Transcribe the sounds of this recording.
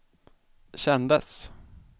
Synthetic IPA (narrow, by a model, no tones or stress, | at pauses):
ɕɛnd̪əs